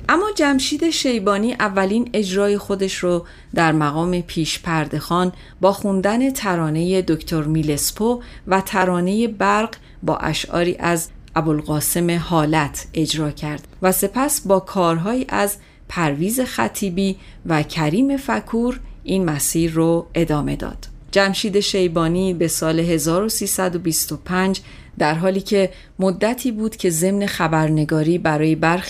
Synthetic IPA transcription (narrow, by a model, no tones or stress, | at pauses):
ʔæmːɒːd͡ʒæmʃiːd̪e̞ʃe̞jbɒːniːʔævːæliːne̞d͡ʒɾɒːje̞xo̞d̪e̞ʃɾo | d̪æɾmæɣɒːme̞pʰiːʃpʰæɾd̪e̞xɒːn | bɒːxund̪æne̞t̪ʰæɾɒːne̞je̞d̪okʰt̪ʰo̞ɾmile̞spʰovæt̪ʰæɾɒːne̞je̞bæɾɢ | bɒ̰ːʔæ̰ʃɒ̰ːɾḭːʔæz | ʔæbolɣɒːse̞me̞hɒːlæt̪ʰe̞d͡ʒɾɒːcʰæɾd̪̥væse̞pʰæsbɒːkʰɒːɾɦɒːjiːʔæz | pʰæɾviːze̞xæ̰t̪ʰiːbiː | væcʰæɾiːme̞fækʰuːɾʔiːnmæsiːɾːoe̞d̪ɒːme̞d̪ɒ̰ːd̪̥ | d͡ʒæmʃiːd̪e̞ʃe̞jbɒːniːbe̞sɒːleɦe̞zɒːɾo̞siːsæd̪o̞bist̪opʰænd͡ʒ | d̪æɾɦɒːliːcʰe̞ | mod̪ːæt̪ʰiːbuːd̪̥cʰe̞ze̞mne̞xæbæɾne̞ɡɒːɾiːbæɾɒːje̞bæɾx